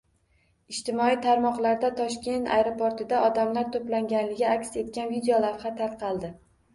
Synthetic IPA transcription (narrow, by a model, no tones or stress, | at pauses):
ɪʃt̪ɪmɒit̪ʰaɾmɒqlˠaɾd̪at̪ʰɒʃkʲe̞nt̪ʰa̰jɾopʰoɾt̪ɪd̪aʔɒd̪amlaɾt̪ʰoplaŋɡʲanlɪɡʲɪakʲse̞t̪̚kʲanvid̪ejolafhat̪ʰalˠqʰɑlˠd̪ɪ